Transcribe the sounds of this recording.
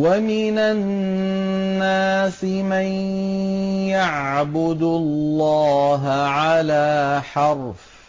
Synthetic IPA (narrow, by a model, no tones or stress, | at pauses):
wamɪna | aːsɪman | jaʕbʊd̪lːɑːɦaʕalaːħɑɾˤf